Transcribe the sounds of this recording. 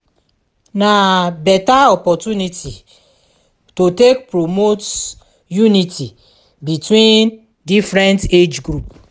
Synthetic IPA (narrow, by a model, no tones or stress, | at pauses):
nabɛtaɔpɔtuniti | totek̚pɾomot | junitʰi | bitwĩn | difɾɛ̃nted͡ʒɡɾup